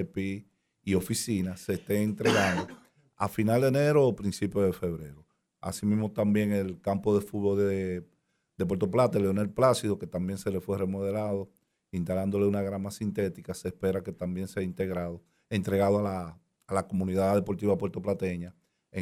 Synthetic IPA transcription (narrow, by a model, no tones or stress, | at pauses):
epi | io̞fisinase̞ːst̪eːnt̪ɾe̞ɣand̪o̞ | a̰finald̪ene̞ɾoːpɾinsipjoðe̞fe̞βɾe̞ɾo | a̰simĩzmo̞t̪ambje̞ŋelkampo̞ðe̞fuðβo̞lðe | d̪epwe̞ɾt̪o̞plat̪eleonelplasiðoke̞t̪ambje̞ŋse̞le̞fwere̞moð̞e̞laðo̞ | int̪aland̪o̞le̞unaɣɾamasint̪e̞t̪ikase̞ːspe̞ɾake̞t̪ambje̞ŋseaint̪e̞ɣɾaðo | ent̪ɾe̞ɣaðoalaː | lako̞mũniðaðe̞po̞ɾt̪iβapwe̞ɾt̪o̞plat̪e̞ɲa | e